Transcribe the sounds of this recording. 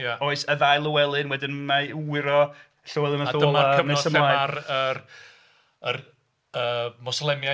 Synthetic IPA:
jaoːɨsəðajlˠəwɛlˠɨnwɛdɪnmawɪɾɔ | ɬowɛlˠɪnaao̥əlaakənɛsəmɛajarə | ər | əːmɔslˠɛmja

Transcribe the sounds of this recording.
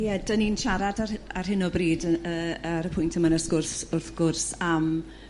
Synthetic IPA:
jɛdəninʃaɾadaarɦɪnɔbriːdəəɾəpʰʊjntʰəmanəsɡ̥ʊrsʊrθɡ̥ʊrsam

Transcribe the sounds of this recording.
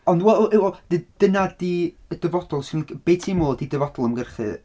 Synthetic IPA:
ɔndwɛlˠwɛd̥id̥ənadi | əd̥əvɔd̥ɔlˠsɪnb̥etʰimoːlˠdidəvɔdɔlˠəmɡərχɨ̰

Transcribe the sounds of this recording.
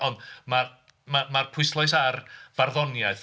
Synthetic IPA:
ɔndmar | mamarpʰʊɨslˠɔjs̬arvarðɔnjaɨθ

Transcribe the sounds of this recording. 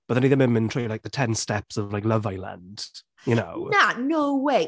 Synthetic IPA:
b̥ʌʔðə̃ɪ̃niðə̃mɪ̃mɪ̃ntʰɹ̥ilaɪk̚ðətʰɛ̃nstɛpsəvlaɪklʌvaɪlə̰̃nd̥ | jənoʊnanoʊweɪ

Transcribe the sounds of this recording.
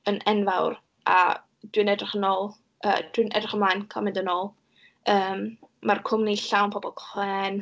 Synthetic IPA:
ənʔɛnvawr | a̰ | d̥wɪnɛdrɪχənoːlˠ | ʔə̰ːd̥wɪnʔɛ̰drɪχəmlˠaːjnkʰɔmɪndənoːlˠ | əːmmarkʰʊmniɬawnpʰɔbɔlˠkʰχwɛːn

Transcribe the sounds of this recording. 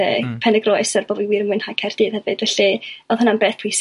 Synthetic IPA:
ə̰ːpʰɛnɛɡrɔjsərb̥ɔːviwiːrmʊɨnhakʰɛrd̥ɨðhɛvɨd̥vɛɬiɔðˠhʊnanbeːθʰwis

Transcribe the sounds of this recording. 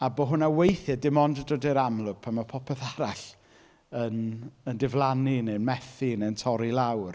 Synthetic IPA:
aboɦʊnawejθjadɪmɔndədodeɾamlˠʊɡ̥̚pʰanmapʰɔpʰɛθaɾaɬ | ənəndɪvlˠaninenmɛθineəntʰɔɾilawr

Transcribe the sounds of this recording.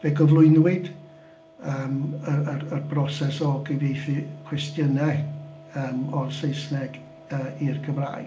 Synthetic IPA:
veːɡɔvlˠʊɨnwɨd | əːməəərbrɔsɛsɔɡivejθikʰw̥ɛstjənɛ | əːmɔrsejsnɛɡ | əːirɡʰəmra̰ːj

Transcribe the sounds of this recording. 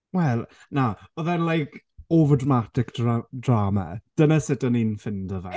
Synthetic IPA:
wɛlˠ | naɔðanlˠajkʰ | ovədramatɪkd̥adrama̰d̥ənasɪdəninfɪndɔva

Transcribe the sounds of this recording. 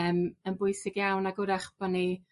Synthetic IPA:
əmənbʊjsɪɡjawnaɡʊɾaχb̥ɔni

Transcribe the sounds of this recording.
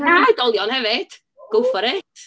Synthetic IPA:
najdɔlˠjɔnhɛvɪd̥ | ɡ̥ʊfɔɾeːtʰ

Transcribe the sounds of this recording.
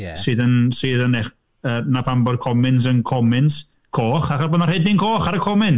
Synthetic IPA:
jɛsɨːðənsɨːðəneχ | ənapʰambɔrkʰɔmɪns̬ənkʰɔmɪns | kʰoːχaχɔboːdnarhɛdɪnkʰoːχaɾəkʰɔmɪn

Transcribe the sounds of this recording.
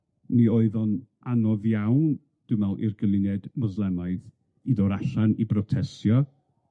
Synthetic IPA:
nioɨðɔnʔanɔðjawn | d̥ɨmɛlˠʔɪ̰rɡəlˠɪnɛdmɔzlˠɛnaɨð | iðɔɾaɬanibrɔtʰɛsjɔ

